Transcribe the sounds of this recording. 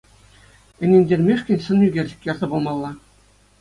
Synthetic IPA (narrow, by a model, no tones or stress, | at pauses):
ɘ̆nʲenʲdʲerʲmʲeʂkʲɘ̆nʲɕɤ̆njyɡʲerʲʑɘ̆kʲjɑrzɑbulˠmɑlˠːɑ